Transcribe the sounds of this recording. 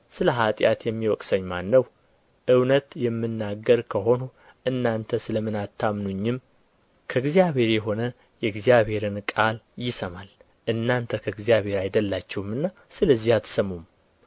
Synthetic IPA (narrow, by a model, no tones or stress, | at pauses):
sɨləɦat̪ʼjat̪jɛmːiwɔkʼsəɲːmanːəw | ʔɨwnət̪jɛmːɨnːaɡːəɾkʰəɦo̞no | ʔɨnːant̪ʰəsɨləmɨnat̪ʰːamnuɲːɪm | kʰəɨɡzjaβe̞ɾjɛɦo̞nə | jɛɡzijaβhe̞ɾɨnkʼaljɪsəmal | ʔɨnːant̪ʰəkʰəɡzijaβe̞ɾajd̪əlːat͡ʃːɛwmɨnːa | sɨləzːihat̪ʰsəmum